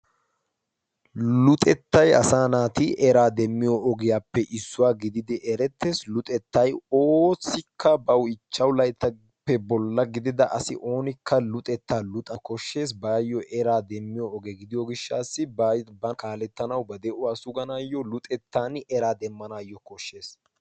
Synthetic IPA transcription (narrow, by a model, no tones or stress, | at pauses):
lʊt̪ʼɛt̪ːɐjɐ̰saːnaːt̪ɪʔɛɾaːd̪ɛmːɪjɔɔɡɪjaːpːɛʔɪsːʊwaːɡɪd̪ɪd̪ɪʔɛɾɛt̪ːeːslʊt̪ʼɛt̪ːɐjoːsːɪkʰːɐbɐwɪt͡ʃːɐwlɐjt̪ːɐ | pːɛbɔlːɐɡɪd̪ɪd̪ɐʔɐsɪ̰ʔo̞ːnɪkʰːɐlʊt̪ʼɛt̪ːaːlʊt̪ʼɐkɔʃːe̞ːs̬baːjːɔʔɛɾaːd̪ɛmːɪjɔɔɡɛɡɪd̪ɪjɔɡɪʃːaːsːɪbɐkaːlɛt̪ːɐnɐwbɐd̪ɛʔʊwaːsʊɡɐnaːjːɔlʊt̪ʼɛt̪ːaːnɛɾaːd̪ɛmːɐnaːjːɔkɔʃːe̞ːs